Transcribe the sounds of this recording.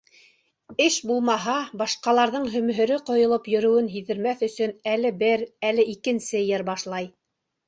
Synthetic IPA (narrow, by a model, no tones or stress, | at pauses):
ɘʃbulˠmɑɦɑbɑʃqɑlˠɑɾðɤɴɦɵ̆mɦɵ̆ɾɘqŏjŏlˠɤpjɵ̆ɾɵ̆wɘnɦiðɘ̆ɾmæθɵ̆sɵnælɘbɘɾælɘʔikɘ̆nsɘjɘɾbɑʃlˠɑj